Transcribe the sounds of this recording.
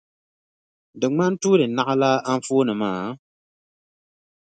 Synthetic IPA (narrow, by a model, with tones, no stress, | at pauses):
dɨ˨ŋ͡ma˦n˦tuː˦ɾɨ˨na˦ʔa˦la˦a˦ɱ˦foː˦nɨ˨maː˦˨